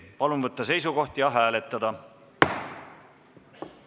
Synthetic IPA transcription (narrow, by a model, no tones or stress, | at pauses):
pɑlunvɤt̪ːɑse̞jsuko̞ht̪jɑɦæːle̞t̪ːˑɑd̪ɑ